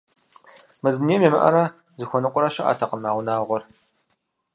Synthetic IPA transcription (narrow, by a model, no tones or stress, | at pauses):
mɨzniːmeːmɐʔɐ̰ɾa | zɨxʷɔnɨqʷʼʊɾɐʃɐʔa̰ːtʰɐqəmaːʁʷʊnaːʁʷɔr